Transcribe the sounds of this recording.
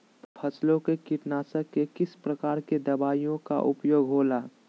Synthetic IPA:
pʰəslõkekɪʈnaːsəkːekɪspɾɐkaːɾked̪ɐbaːijõka̰ʔʊpjoːɡɦoːlaː

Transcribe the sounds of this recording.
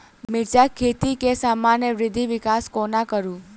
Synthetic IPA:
mɪɾd͡ʒakʰːet̪ikesamanjəʋɾɪd̪ʱːiʋɪkaskonakəɾũ

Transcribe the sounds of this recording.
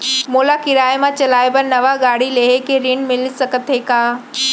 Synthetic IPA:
moːlakɪɾaːemãt͡ɕɐlaːɪbənnɐʋaɡaːɽileːɦekeɾɪɳmɪlsɐkət̪ʰekaː

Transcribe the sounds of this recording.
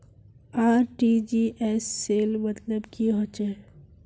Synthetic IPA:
aːɾʈid͡ʒiːʔɛːsːeːlmɐt̪ləbkiɦot͡ʃe

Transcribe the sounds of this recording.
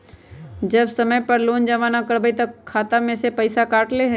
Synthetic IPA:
d͡ʒɐbsɐməjpɐɾloːnd͡ʒaʋaːnakɐɾbəit̪ɐkʰːaːt̪amẽsepɐɪsakaːʈleɦɛ

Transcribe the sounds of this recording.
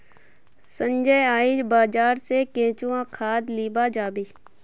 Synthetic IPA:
sə̃ɲd͡ʒəjaːiːd͡ʒbaːd͡ʒaːɾsekẽːt͡ʃuãkʰaːd̪liːbaːd͡ʒaːbiː

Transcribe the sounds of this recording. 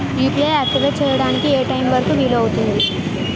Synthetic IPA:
iːpleːaːk̚ʈiʋet͡ʃɛːjɐɽaːnikieːʈɐjimʋɐɾɐkuʋiːloɐwut̪und̪i

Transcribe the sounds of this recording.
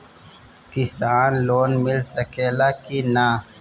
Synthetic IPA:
kisaːnloːnmilsɐkeːlakina

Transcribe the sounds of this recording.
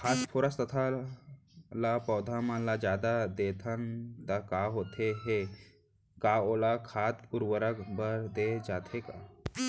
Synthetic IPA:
kʰaspʰoɾast̪ət̪ʰa | lapɔwd̪ʱamalad͡ʑjad̪ad̪et̪ʰand̪akaɦot̪ʰeɦe | kaolakʰat̪puɾʋəɾəkbəɾd̪ed͡ʒat̪ʰeka

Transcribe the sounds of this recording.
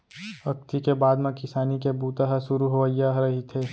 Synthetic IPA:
ɐk̚t̪ikebaːd̪mẽkɪsaːnikebuːt̪aɦəʃʊɾuɦoʋajaɦɾɐɦit̪ʰeː

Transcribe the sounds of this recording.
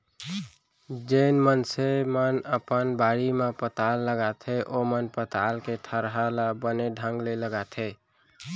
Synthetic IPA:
d͡ʒenmənsemənəpənbaɽimepət̪alːəɡat̪ʰeʔomənpət̪alket̪ʰəɾɦalabəneɖʱə̃ŋɡleləɡat̪ʰe

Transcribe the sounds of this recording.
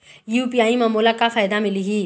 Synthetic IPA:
juːpijaːimɐmoːlakafaːjd̪amɪliɦiː

